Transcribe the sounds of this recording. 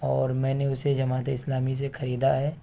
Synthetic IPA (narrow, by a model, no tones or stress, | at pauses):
ɔːɾmɛ̃ːneʊsed͡ʒɐmaːt̪eɪslaːmis̬exʰɐɾiːd̪aɦɛː